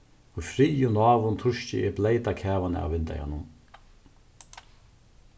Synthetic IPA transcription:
ʊjfɾijʊnɑːvʊnt̪ʰʊʃcɪ̰ɪblejt̪akʰɛːvanɪ̰a̰wvɪnt̪a̰ja̰nʊn

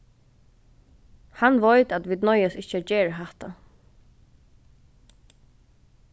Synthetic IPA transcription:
hanʋɔjt̪at̪ʋiːd̪̚nɔʏjasɪht͡ʃəæd͡ʒeːɹəɦaht̪a

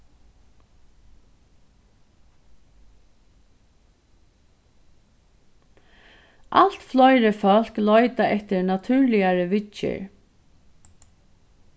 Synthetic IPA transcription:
ʔal̥t̪flɔʏɾəfœl̥klɔʏt̪aʔɛht̪ɪɹnat̪ʰʉːɹlɪjaɹəʋɪt͡ʃɪ̰ɹ

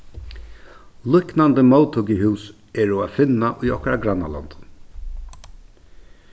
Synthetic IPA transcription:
lʊknand̪əmawt̪ʰʊkəɦʉːs | ɛɹɔafɪnːaʔʊjɔhkaɾaɡɾanːa̰lɔ̰nd̪̥

